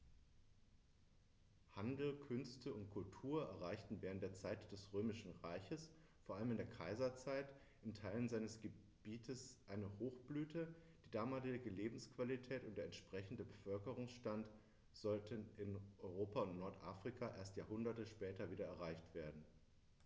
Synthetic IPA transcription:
handl̩kʰʏnstʰəʊntkʰʊltʰuːɐʔɛɐʁaɪçtn̩vɛːʁəntd̥eːɐt͡saɪtd̥ɛsʁøːmɪʃn̩ʁaɪçəs | foːɐʔaləmɪndeːɐkʰaɪzɐt͡saɪt | ʔɪntʰaɪlənzaɪnəsɡ̥ə | b̥iːtʰəsʔaɪnəhoːxb̥lyːtʰəd̥iːdaːmaːlɪɪɡəleːbm̩skv̥alitʰɛːtʊnt̚d̥eːɐɛntʃpʁ̥ɛçn̩dəbəfœlkəʁʊŋsʃtant | z̥ɔltənɪnʔɔʏʁoːpaʊntnɔɐtʔaːfʁ̥ikʰaʔeːɐstjaːɐhʊndɐtəʃpɛːtɐviːɾɐɛɐʁaɪçtv̥eːɐdn̩

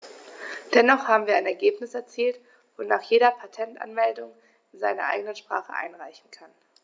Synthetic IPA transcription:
d̥ɛnɔχhaːbm̩viːɐaɪnɛɐɡeːpnɪsɛɐt͡siːlt | voːnaːχjeːɾɐpʰatʰɛntʔa̰nmɛldʊŋ | ɪnzaɪnɐ̰ʔa̰ɪɡənənʃpʁ̥a̰ːχəʔa̰ɪnʁaɪçn̩kʰan

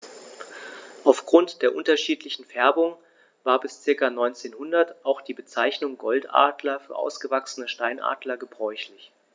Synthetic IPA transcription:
ʔaʊfɡ̥ʁʊntd̥eːɐʔʊntɐʃiːtlɪçn̩fɛɐbʊŋ | vaːɐbɪst͡sɪɐkanɔʏnt͡seːnhʊndɐtʔaʊxd̥iːbət͡saɪçnʊŋɡɔltʔa̰ːdlɐfyːɐʔa̰ʊsɡ̥əvaksənəʃtaɪnʔa̰ːdlɐɡəbʁɔʏçlɪç

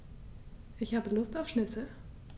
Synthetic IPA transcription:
ʔɪçhaːbəlʊstaʊfʃnɪt͡sə

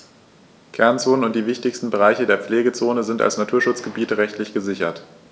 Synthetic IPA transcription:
kʰɛɐnt͡soːnənʊnt̚d̥iːvɪçtɪçstn̩bəʁ̞aɪçədeːɐp͡fleːɡət͡soːnəzɪnta̰lsnatʰuːɐʃʊt͡sɡ̥əbiːtəʁɛçtlɪçɡ̥əzɪçɐt

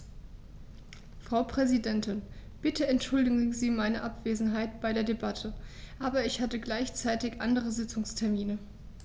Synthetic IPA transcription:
fʁ̥aʊpʁ̥ɛzidɛntɪnb̥ɪtʰəɛntʃʊldɪɡŋ̩ziːmaɪnəʔapv̥eːzn̩ɦaɪtb̥aɪɾeːɐdebatʰəʔaːbɐɪçhatəɡlaɪçt͡saɪtɪçʔandəʁ̞əzɪt͡sʊŋstʰɛɐmiːnə

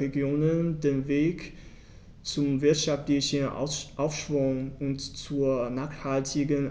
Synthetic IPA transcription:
eɡjoːnəndeːnveːk | t͡sʊmvɪɐtʃaftlɪçənʔaʊfʃv̥ʊŋʔʊntt͡suːɐnaːχthaltʰɪɡən

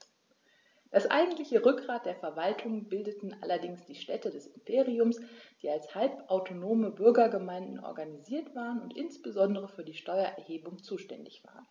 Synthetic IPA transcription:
d̥asʔa̰ɪɡŋ̩tlɪçəʁʏk̚ɡ̥ʁaːt̚d̥eːɐfɛɐvaltʰʊŋbɪldətn̩ʔa̰lɐdɪŋsd̥iːʃtɛtədɛsɪmpʰeːʁiʊmsd̥iːalshalpʔaʊtʰonoːməbʏɐɡɐɡəmaɪndn̩ʔɔ̰ɐɡaniziːɐtv̥aːʁənʊntʔɪnsb̥əzɔndəʁəfyːɐdiːʃtɔʏɐʔɛɐheːbʊŋt͡suːʃtɛndɪçv̥a̰ːʁən

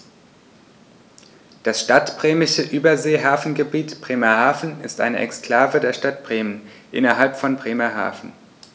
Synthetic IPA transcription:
d̥asʃtatb̥ʁeːmɪʃəʔyːbɐzeːɦaːfn̩ɡəbiːtb̥ʁ̥eːmɐhaːfn̩ɪstʔa̰ɪnəʔɛ̰kskl̥aːvədeːɐʃtatb̥ʁeːmən | ʔɪ̰nɐɦalpfɔnbʁeːmɐɦa̰ːfn̩

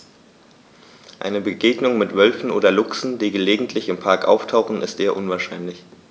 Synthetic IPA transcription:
ʔa̰ɪnəbəɡeːɡnʊŋmɪtv̥œlfn̩ʔo̰ːdɐlʊksn̩d̥iːɡəleːɡŋ̩tʰlɪçɪmpʰaɐkʔa̰ʊftʰaʊxn̩ɪ̰stz̥eːɐʔʊnvaːɐʃaɪnlɪç

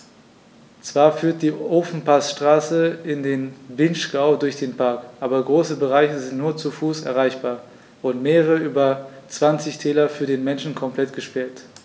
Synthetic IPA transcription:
t͡sv̥aːɐfyːɐt̚d̥iːʔoːfn̩pʰasʃtʁ̥aːsəɪndeːnvɪnʃkaʊdʊɐçd̥eːnpʰaɐkʔaːbɐɡʁoːsəbəʁaɪçəzɪntnuːɐt͡sufuːsɛ̰ɐʁaɪçb̥aːɐ | vʊɐdn̩meːʁəʁəəyːbɐt͡sv̥ant͡sɪçtʰɛːlɐfyːɐdeːnmɛnʃn̩kʰɔmpl̥ɛtɡ̥əʃpɛɐt

